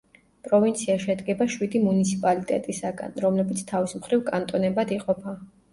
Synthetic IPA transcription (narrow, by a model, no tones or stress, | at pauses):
pʼɾɔvint̪sʰiaʃɛd̪ɡɛbaʃwid̪imunit̪sʰipʼalit̪ʼɛ̰t̪ʼisaɡa̰nɾɔmlɛbit̪sʰt̪ʰavismχɾivkʼant̪ʼɔnɛbad̪iqʼɔpʰa